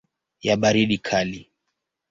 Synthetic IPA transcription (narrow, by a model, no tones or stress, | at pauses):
jaɓaɾiɗikʰali